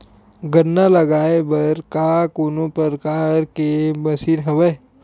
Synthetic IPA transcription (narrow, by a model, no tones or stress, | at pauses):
ɡənːalɐɡaːebɐɾkaːkonopəɾəkaːɾkemɐsiɾɦɐʋe